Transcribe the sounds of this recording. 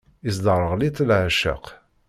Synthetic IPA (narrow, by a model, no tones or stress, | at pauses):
isd̪ərˤːəʁlit̪ˤːlʕaʃə̰q